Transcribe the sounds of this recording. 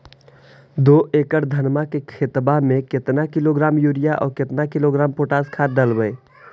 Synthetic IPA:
d̪oːʔeːkəʈd̪ʱənmakekʰet̪bamẽkɪt̪nakɪloɡɾaːmjuːɾijaʔɔ̰ːɾkɪt̪nakɪloɡɾaːmpoːʈaːskʰaːɖəlbəe

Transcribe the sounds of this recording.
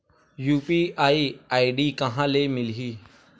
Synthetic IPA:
juːpiːʔaːiːaːiɖiːkəɦãːleːmɪlɦiː

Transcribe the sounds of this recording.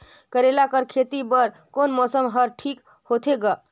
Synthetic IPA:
kəɾelakəɾkʰet̪ibəɾ | konmɔsəmɦəɾʈʰik | hot̪ʰeɡa

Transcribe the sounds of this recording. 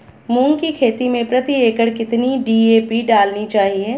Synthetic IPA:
mũːŋɡkikʰeːt̪imẽpɾɐt̪ieːkəɽkɪt̪niɖiːeːpiɖaːlnit͡ʃaːɦiɛː

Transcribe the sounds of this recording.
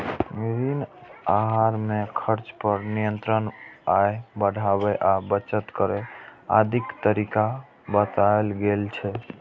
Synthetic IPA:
miɾinaɦaɾmekʰəɾt͡ʃpəɾnijənt̪ɾənajbəɽʱabɛʔabət͡ʃət̪kəɾɛa̰d̪ʱikt̪əɾika | bət̪aelɡelt͡ʃʰɛ

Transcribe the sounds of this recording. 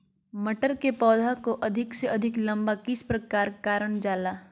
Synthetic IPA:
mɐʈəɾkepɔːd̪ʱakoʔɐd̪ʱɪkseɐd̪ʱɪklɐ̃mbakɪspɾɐkaːɾkaːɾəɳ̃d͡ʒaːlaː

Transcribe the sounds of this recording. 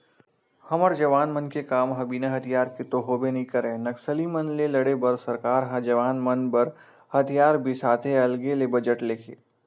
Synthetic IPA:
hɐməɾd͡ʒɐʋaːnmɐnkekaːmɦɐbiːnaɦɐt̪ʰijaːɾket̪oɦoːbenɐɦĩkɐɾẽːnɐksəlimɐnlelɐɽebɐɾsɐɾkaːɾɦãd͡ʒɐʋaːnmɐnbɐɾ | hɐt̪ʰijaːɾbʱisaːt̪ʰeɐlɡelebɐd͡ʒəʈleːkʰḛː

